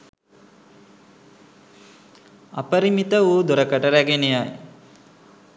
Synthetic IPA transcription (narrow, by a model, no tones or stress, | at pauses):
a̰pəɾimit̪əuːd̪uɾɐkəʈəɾæɡenejaj